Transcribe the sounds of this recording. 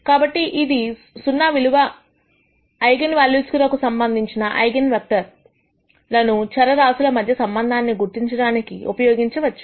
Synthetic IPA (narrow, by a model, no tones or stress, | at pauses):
kaːbɐʈːiʔid̪i | sunːaːʋiluʋɐ | jɡɐnʋaːljuskuɾɐkusɐmbɐnd̪ʱiɲt͡ʃinɐʔɐjɡɐnʋɐk̚ʈɐɾ | lɐnut͡ʃɐɾɐɾaːsulɐmɐd̪ʱjɐsɐmbɐnd̪ʱaːnːiɡuɾt̪iɲt͡ʃɐɽaːnikḭʔṵpɐjoːɡiɲt͡ʃiʋɐt͡ʃːu̥